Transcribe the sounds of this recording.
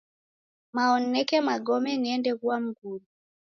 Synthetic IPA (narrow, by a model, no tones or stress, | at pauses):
maɔnɛkɛmaɠɔmɛniɛndɛkuwam̩ɡulu